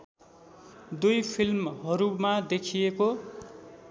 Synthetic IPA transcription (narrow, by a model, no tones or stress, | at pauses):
d̪ujpʰilmɦʌɾumad̪ekʰijeko